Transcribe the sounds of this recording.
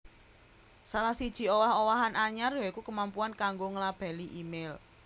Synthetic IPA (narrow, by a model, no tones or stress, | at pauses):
salahsid̥ʒ̥i̤owahowaɦanaɲarjaikukəmampuankaŋɡoŋəlab̥a̤liʔimel